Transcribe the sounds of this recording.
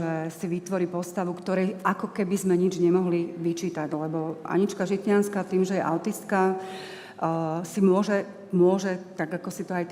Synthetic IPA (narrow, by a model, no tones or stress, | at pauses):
ɛsiʋit̪ʋɔɾiːpɔst̪aʋukt̪ɔɾɛjʔakɔkɛbizmɛɲid͡ʒɲɛmɔɦliʋit͡ʃiːt̪aɟlɛbɔa̰ɲit͡ʃkaʒit̪ɲanskat̪iːmʒɛjɛʔaʊt̪ist̪̚ka | simʊɔʒɛ | mʊɔʒɛt̪aɡakɔsit̪ɔaj̪